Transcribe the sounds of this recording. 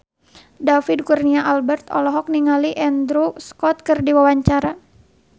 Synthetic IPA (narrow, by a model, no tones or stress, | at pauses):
dafidkurniaʔalbɛrt̪ɔ̰lɔɦɔk̚niŋaliʔɛnd̪ɾuskɔt̪̚kɨrdiwawaɲt͡ʃaɾa